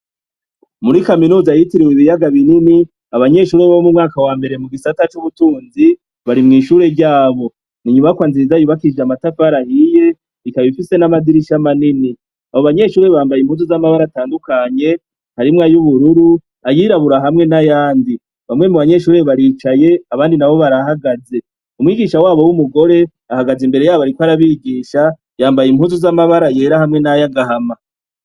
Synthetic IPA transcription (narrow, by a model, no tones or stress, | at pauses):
muɾikaminuːzajitiɾiwiβijaɡaβinini | aβaɲe̞ʃuːɾe̞βaβomumŋaːkawaːmbe̞ɾe̞muɡisatat͡ʃuβutuːnzi | βaɾimŋiːʃuːɾe̞ɾɟaːβo̞ | niɲumakwaːnziɾizajuβakid͡ʒamatafaɾahije̞ | ikaβifise̞namadiɾiʃamanini | aβoβaɲe̞ʃuːɾe̞βaːmbajimhuzozamaβaɾataːndukaɲe̞ | haɾimŋaːjuβuɾuɾu | ajiɾaβuɾaɦamŋe̞najaːndi | βamŋe̞muβaɲe̞ʃuːɾe̞βaɾiːt͡ʃaje̞aβaːndinaβo̞βaɾaɦaɡaze̞ | umwiːɡiʃawaːβo̞wumuɡo̞ɾe̞ | ahaɡazimbe̞ɾe̞jaːβaɾikwoaɾaβiːɡiːʃa | jaːmbajimhuːzuzamaβaɾaje̞ːɾahamŋe̞najaɡaɦama